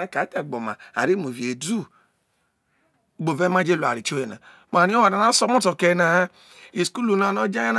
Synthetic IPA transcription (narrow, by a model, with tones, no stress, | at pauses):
e˦ka˨˦te˨ɡ͡bo˨ma̰˨a̰˨ɾi˦mo˨vi˨e˨du˦ | ɡ͡bo˨ve˦mã˦d͡ʒe˦˨lu˨a̰˨ɾi˨t͡ʃo˦je˨na̰˨ | m˨a˨ni˦o˦wa˨na˨na˦sɔ˦mo˦to˨ke˨na˨˦ | i˨sku˦lu˨na˨no˦d͡ʒa˦a˦na˦